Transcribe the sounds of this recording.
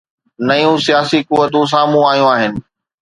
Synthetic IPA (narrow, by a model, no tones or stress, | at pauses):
nɐjũsijaːsikʊʋːət̪ũs̬ãːmũaːijũaːɦɪnɪ̆